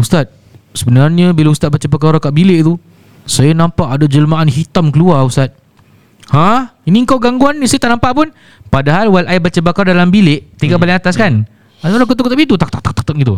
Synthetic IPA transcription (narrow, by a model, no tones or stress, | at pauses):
ust̪at̪̚ | səbənarɲabilaust̪at̪̚bat͡ʃapəkaɾakaʔbilɪʔt̪u | sajanãmpaʔadad͡ʒələmaʔanhit̪amkəluaust̪at̪̚ | hãinĩəŋkawɡaŋɡuanːĩsajat̪aʔnãmpaʔpʊn | padaɦalwalʔajbat͡ʃabakaɾadalambilɪʔt̪iŋɡaʔbalɪŋat̪askan | adlakət̪̬ukt̪abit̪̬ut̪ak̚t̪ak̚t̪ak̚t̪ḁk̚t̪ak̚ɡit̪̬u